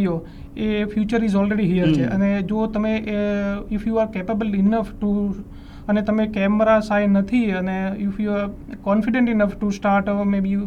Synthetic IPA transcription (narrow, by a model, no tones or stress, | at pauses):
jo | efjuːt͡ʃəɾizɔlɾeɖiɦijəɾt͡ʃʰeəned͡ʒot̪əmẽ | ɪfjuːaɾkepəbəlɪnəfʈu | ənet̪ɐmẽkɛməɾasajnət̪ʰiəneɪfjuaɾ | kɔ̃nfɪɖẽɳʈɪnəfʈusʈaːɾʈmebi